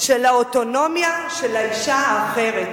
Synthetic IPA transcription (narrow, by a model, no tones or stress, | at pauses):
ʃelaoto̞no̞mjaʃe̞laiʃaːχe̞ʁet̪